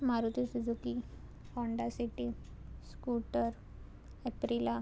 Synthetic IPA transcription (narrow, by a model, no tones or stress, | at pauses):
maɾut̪isid͡zuki | hɔɳɖasiʈi | skuʈəɾ | epɾila